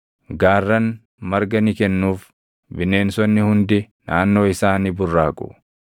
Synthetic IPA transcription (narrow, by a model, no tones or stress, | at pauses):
ɡaːrːɐn | mɐɾɡɐnɪkɛnːuːf | bɪnːe̞ːnsɔnːɪhʊnd̪ɪ | nʔaːnːo̞ːɪsaːniːbʊrːaːkʼʊ̰